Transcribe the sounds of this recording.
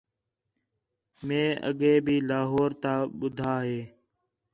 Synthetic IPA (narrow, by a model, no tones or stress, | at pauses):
mẽːʔə̰ɠẽːbʱiːlaːɦoːɾt̪aːɓʊd̪ʱaːɦeː